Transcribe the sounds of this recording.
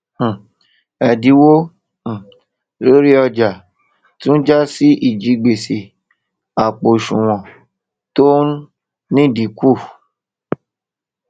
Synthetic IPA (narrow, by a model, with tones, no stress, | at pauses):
ɛ˨di˨˦wõ˦˨ | lo˦ɾi˦ɔ˧d͡ʒa˨ | tũ˦d͡ʒa˦si˦ʔi˨d͡ʒi˨˧˦ɡ͡be˨se˨ | a˨k͡po˨ʃũ˨w̃ɔ̃˨ | tõ˦ | nĩ˦˨di˨˦ku˦˨